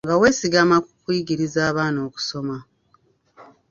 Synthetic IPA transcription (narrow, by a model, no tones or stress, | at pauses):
ŋɡawe̞ːsiɡamakukwiːɡiɾizaːβaːno̞ːku̥so̞ma